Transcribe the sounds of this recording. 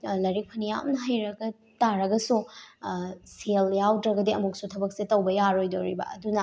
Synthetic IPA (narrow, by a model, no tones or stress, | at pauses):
lɐɾik̚pʰɐnijawmnɐɦajɾɐɡɐ | taɾɐɡɐsu | seljawdɾɐɡɐdiɐmuk̚sutʰɐbɐk̚setɐwbɐjaɾojdowɾḭbɐ̰ɐ̰dunɐ